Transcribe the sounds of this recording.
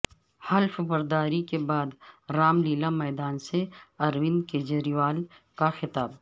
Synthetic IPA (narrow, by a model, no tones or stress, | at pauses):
hɐlfbɐɾd̪aːɾikebaːd̪ɾaːmliːlamɛːd̪aːnseɐɾwɪnked͡ʒɐɾiwaːl | kaxɪt̪aːb